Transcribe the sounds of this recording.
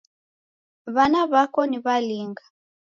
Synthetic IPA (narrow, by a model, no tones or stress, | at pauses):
βanaβakɔniβaliŋɡa